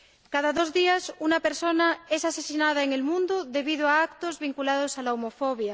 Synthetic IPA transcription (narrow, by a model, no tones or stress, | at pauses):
kaðaðozðiasunapeɾsonaesasesinaðaeŋelmũnd̪oðe̞βiðoaakt̪ozβiŋkulaðosalaumofoβ̞ja